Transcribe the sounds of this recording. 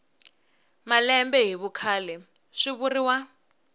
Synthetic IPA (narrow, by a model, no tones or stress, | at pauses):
malɛmbɛɦiβukʰaːlɛ | ʂiβuriwa